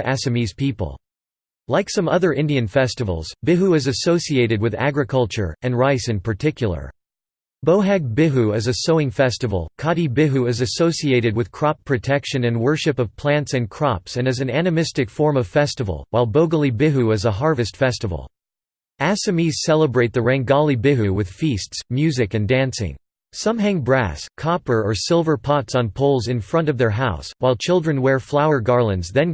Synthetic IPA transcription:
ʔæsɨmiz̥pʰipl̩ˠ | laɪksʌ̃mʌðə˞ʔɪ̃ndiɨ̃nfɛstɨvl̩ˠz̥bɪɦuɨzɨsoʊsieɪɾɨd̚wɨðæ̰ɡɹɨkʰʌlˠt͡ʃə̰˞ɨ̃nɹaɪsɨ̃npʰə˞tʰɪkʰjl̩ˠə̰˞ | b̥oʊɦæɡ̚bɪɦuɨzɨsoʊɪ̃ŋfɛstɨvl̩ˠkʰɑɾibɪɦʉɨzɨsoʊsieɪɾɨd̚wɨð̥kʰɹ̥ɑpʰːɹ̥ɨtʰɛkʃɨ̃nɨ̃nwɜ˞ʃɨpʌv̥pʰl̥æ̃ntsɨ̃nkʰɹ̥ɑ̰psɨ̃nɨzɨ̃nænɨmɪstɨkfɔɹmʌv̥fɛstəvl̩ˠwaɪlˠboʊɡl̩ˠibɪɦʉɨzəɦɑɹvɨstfɛstəvl̩ˠ | æsɨmiz̥sɛlˠəbɹeɪt̪̚ðɨɹæ̃ŋɡɑlˠibɪɦʉwɨð̥fistsmjʉzɨkɨ̃ndæ̃nsɪ̰̃ŋ | sʌ̃mɦæ̃ŋbɹæ̰skʰɑpə˞ə˞sɪlˠvə˞pʰɑtsn̩pʰoʊlˠzɨ̃nfɹʌ̃nʌvðə˞ɦaʊswaɪlˠt͡ʃʰɪlˠdɹɨ̃nwɛɹflaʊə˞ɡɑɹlˠə̃nzðɨ̃n

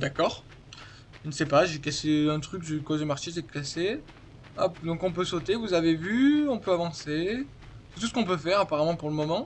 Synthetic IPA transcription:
d̪akɔːʁ | ʒənəsɛpaʒekaseɛ̃t̪χykʒekozemaʁʃes̬ɛt̪klase | a̰pd̪ɔ̃kɔ̃pøsot̪evuzavevyɔ̃pøavɑ̃se | sɛ̥t̪usə̥kɔ̃p̬øfɛʁapaʁamɑ̃puʁləmɔmɑ̃

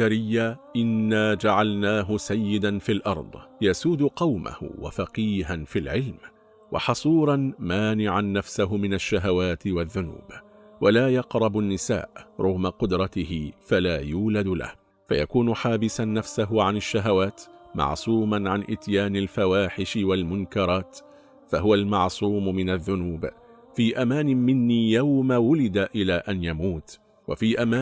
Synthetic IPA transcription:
aɾɪjːaʔɪnːaːd͡ʒaʕalnaːɦʊsajːɪd̪anfiːlʔɑɾˤd̪ˤjasuːd̪ʊqɑwmʔa̰hʊ̰wa̰fɑqiːɦanfilʕɪlm | wɑ̰ħɑsˤuːɾˤɑnmaːnɪʕanːafsaɦʊmɪnaʃːaɦawaːt̪ɪwaðːʊnṵːb | walaːjɑqɾˤɑbʊnːɪsa̰ːʔɾˤʔʊɣmaqʊd̪ɾˤɑt̪ɪhɪfalaːjuːlad̪la̰h | fa̰ja̰kuːnʊħaːbɪsanːafsaɦʊʕanaʃːaɦawaːt̪mɑ̰ʕsˤuːmanʕanʔɪt̪jaːnalfawaːħɪʃɪwalmʊnkɑɾˤɑːt̪ | faɦʊwalmɑʕsˤuːmʊmɪnaðːʊnuːb | fiːʔamaːnɪmɪnːiːjawmawʊlɪd̪aʔɪlaːʔanjamuːt̪ | wa̰fiːʔamaː

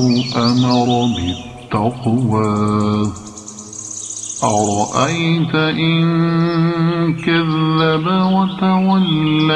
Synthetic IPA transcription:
wʔamɑɾˤɑbɪtt̪ːɑqwaː | ʔɑɾˤɑʔajt̪aʔɪn | kaðːabawat̪awalːa

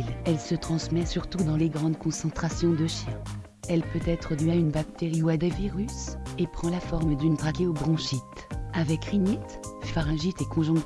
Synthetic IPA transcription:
lɛlsət̪χɑ̃smɛsyʁt̪ud̪ɑ̃leɡʁɑ̃d̪kɔ̃sɑ̃t̪χasjɔ̃d̪əʃjɛ̃ | ɛlpøt̪ɛt̪χəd̪yaynbak̚t̪eʁiuad̪eviʁysepχɑ̃lafɔʁmd̪ynb̪ʁakʲeobʁɔ̃ʃit̪avɛkʁiɲɛt̪ffaʁɛ̃ʒit̪ekɔ̃ʒɔ̃k

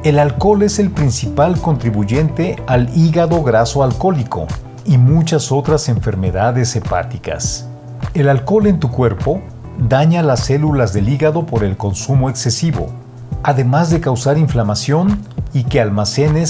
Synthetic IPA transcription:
e̞lalko̞le̞se̞lpɾinsipalko̞nt̪ɾiβuʝe̞nt̪e̞aliɣaðo̞ɣɾasoalko̞liko̞̰ | imut͡ʃaso̞t̪ɾase̞ɱfe̞ɾme̞ðaðe̞se̞pa̰t̪ika̰s | e̞lalko̞le̞nt̪ukwe̞ɾpo̞ | ðaɲalase̞lulazðe̞liɣaðo̞po̞ɾe̞lko̞nsumo̞ekse̞siβo̞̰ | aðe̞mazðe̞kawsaɾiɱflamasjo̞nikealmase̞ne

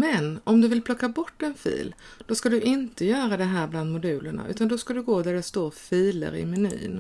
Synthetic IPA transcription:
mɛnɔmd̪ɵvɪlpʰlɔkːabɔʈːɛnfḭːld̪̥ɔskad̪ɵʔɪnt̪əjœːɾad̪ɛɦæːɾbland̪mʊd̪ʉ̟ːləɳa̰ʔʉ̟ːt̪and̪ɔskad̪ɵɡoːd̪æɖɛst̪oːɾfiːlə̰ɾɪ̰mɛny̰ːn

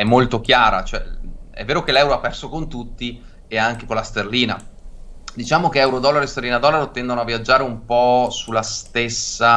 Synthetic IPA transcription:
ɛmːolt̪ok̟jaːɾa̰t͡ʃoɛɛ̰vːeːɾokelɛwɾoapːɛrsokont̪ut̪ːi | eaŋkekolːast̪erliːna | d̪it͡ʃaːmokeɛwɾod̪ɔlːaɾest̪erliːnad̪ɔlːaɾot̪ɛnd̪onoavːiad͡ʒːaːɾeumpɔsulːast̪esːa

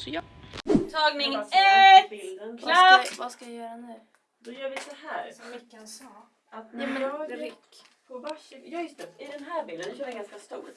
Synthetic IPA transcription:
t̪ʰɑːɡnɪŋɛbɪld̪ənlvaskajajœːɾanʉ̟ː | d̪ɔjœːvɪsɔhæːɾsɔmvɪkːansɑː | at̪aːmɛnɾɪkːpʰɔvaʃjɑjɵst̪ɛɪd̪ɛnɦæːɾbɪld̪ənːʃœːɾɪjaɡanskast̪ṵːɾ

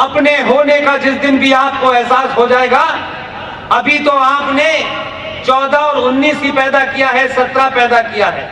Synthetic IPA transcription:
ɐpneɦoːnekad͡ʒɪsd̪ɪnbʱiaːp̚koɛɦsaːsɦod͡ʒaːeːɡa | ɐbʱit̪oaːpne | t͡ʃɔːd̪aɔːɾʊnːiːskipɛːd̪akijaɦɛsɐt̪ɾapɛːd̪akijaɦɛː

